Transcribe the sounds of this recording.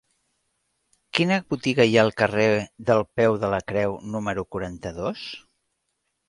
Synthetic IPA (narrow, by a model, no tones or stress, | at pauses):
kinəβut̪iɣəjaəlˠkəreðəlˠpɛwðələkɾɛwnuməɾukuɾant̪əðos